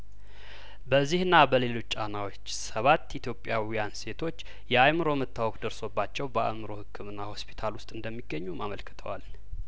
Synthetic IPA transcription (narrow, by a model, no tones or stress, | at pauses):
bəzːihɨnːabəle̞lo̞t͡ʃːt͡ʃʼanawo̞t͡ʃːsəβat̪ːit̪ʰjo̞pʼjawijanse̞t̪ʰo̞t͡ʃː | jɛajmɨɾo̞mət̪ːawɔkʼd̪əɾso̞bːat͡ʃːɛwbəa̰mɨɾo̞hɨkʰːɨmɨnːaho̞spʰi̥t̪ʰalwʊst̪ʼɨnd̪əmːiɡːəɲːumaməlkʰɨ̥t̪ʰə̰wal